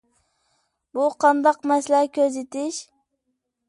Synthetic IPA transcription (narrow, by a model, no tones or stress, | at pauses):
buqʰɑnd̪ɑqmɛslækʲʰøzet̪ɪʃ